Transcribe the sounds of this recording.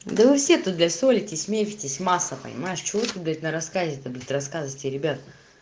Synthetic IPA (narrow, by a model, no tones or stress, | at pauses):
d̪əvɨfsʲe̞t̪ut̪̚d̪lʲɐsʲolʲɪtʲɪsʲmʲefʲɪtʲɪsʲmasːəpə̰nʲɪ̰majɪʂt͡ɕɪvot̪ut̪̚b̪ʲat̪ʲnəɾɐskazʲɪt̪əblʲat̪ɾɐskazətʲɪɾʲɪbʲat̪̚